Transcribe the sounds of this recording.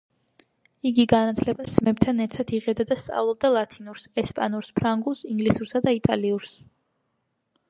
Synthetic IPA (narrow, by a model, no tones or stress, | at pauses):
iɡiɡanat̪ʰlɛbasmɛb̚t̪ʰanɛɾt̪ʰat̪iʁɛd̪ad̪ast̪sʼa̰vlˠɔb̚d̪alˠat̪ʰinuɾsɛspʼa̰nuɾspʰɾaŋɡusiŋɡlisuɾsad̪ait̪ʼa̰liuɾs